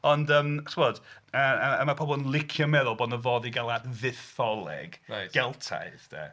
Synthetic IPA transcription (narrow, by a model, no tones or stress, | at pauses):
ɔndəmswɔdəəmapʰrɔbɔlˠnlˠɪkʰjɔmɛðʊlˠbɔːdnəvɔðiɡalˠadðɪθɔlˠɛ̰ɡaɡ̥ɛlˠtʰa̰jsd̥ɛ̰